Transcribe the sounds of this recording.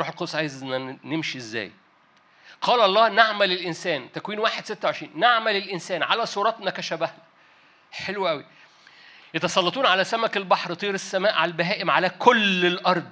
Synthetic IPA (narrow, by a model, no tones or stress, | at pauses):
ɾuːħelqod̪osʕaːjezenːænemʃiezːæ̰ːj | qɑːlʔɑlˤːɑːhnaʕmælelʔɪnsæːnt̪ækwiːnwaːħed̪set̪ːæoʕeʃɾiːnːaʕmælelʔɪnsæːnʕalæsˤuːɾˤɑːt̪mækæʃæbæhnæ | ħelwʔæwi | jɑt̪ɑsˤɑlˤːɑt̪ˤuːnʕalæsæmækelbɑħɾt̪ˤiːɾesːæmæːʔʕalælbæɦæːʔemʕalækʰolelʔɑɾˤd̪ˤ